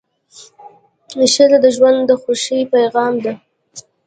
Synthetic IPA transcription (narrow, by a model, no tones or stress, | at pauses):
ɪʃalad̪əʒwand̪ːəxoʃipajɣɑmd̪a